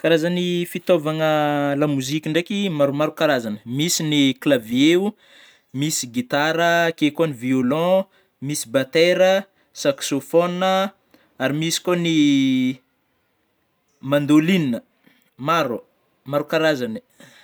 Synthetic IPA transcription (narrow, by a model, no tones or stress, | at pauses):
kaɾazanifit̪ovaŋəlamuzikʲiɳɖ͡ʐekʲimaɾumaɾukaɾazanəmisiniklavieu | misiɡit̪aɾəkekoniviolɔ̃ | misibat̪eɾə | saksofonə | aɾimisi̥koni | mand̪olininə | maɾu | maɾukaɾazani̥